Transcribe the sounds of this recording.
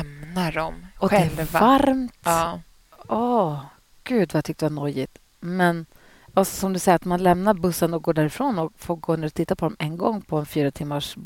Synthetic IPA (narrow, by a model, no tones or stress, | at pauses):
ɛmnaɖɔmɔdɧɛvvaɾmt̪ː | ʔɔː | ɡ̥ʉ̟ːd̪vajat̪ʰʏk̚ːt̪d̪əvanɔjɪt̪ | mɛn | alsɔsɔmd̪ɵsɛjəɾat̪manlɛmnaɾbɵsːənɔɡoːɖ̪æːɾɪfɾoːnɔkfoːɾɡoːnæɖ̪ɵt̪ʰɪt̪ːapʰɔd̪ɔmɛnɡɔŋːpʰɔɛnfyːɾat̪ʰɪmːaʂb